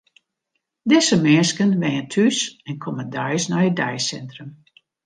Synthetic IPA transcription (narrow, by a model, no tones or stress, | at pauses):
dɪsəmɪəskənʋɛjəntʰysɛnkʰɔmədœjsnɔjədɛjsɛntrəm